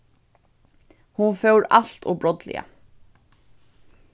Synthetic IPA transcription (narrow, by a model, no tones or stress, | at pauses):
hunfœwɾaɬt̪ɔbɾɔt̪lɪ̰a̰